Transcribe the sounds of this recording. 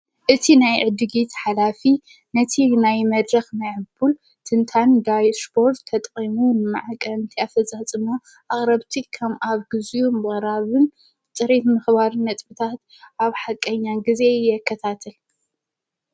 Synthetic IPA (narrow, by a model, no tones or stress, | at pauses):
ʔɨt̪ʰinajʕɨd̪ɨɡit̪ħalafi | nɐt̪ʰinajmɐd̪ɾɐxnajʕɨbul | t̪ʰɨnt̪ʰand̪ajspʰo̞ɾt̪ʰːɐt̪ʼqʼimunɨmɨʕakʼɐnt̪ʰiafɐt͡sʼat͡sʼɨmo | ʔaχʼɾɐβt̪ʰikʰɐmaβɡɨzjumɨχʼɾaβɨn | t̪ʼɨɾit̪mɨxbaɾnɐt̪ʼbɨt̪ʰat̪ | ʔaβħakʼːɐɲːanɡizejɛkʰːɐt̪ʰat̪ʰɐl